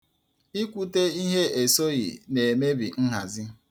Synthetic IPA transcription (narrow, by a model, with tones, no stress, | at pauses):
i˦kʷu˦te˦i˦ɦe˦e˨so˦ɣḭ˨ne˨e˨me˦bḭ˨n̩˦ɦa˨zɪ˦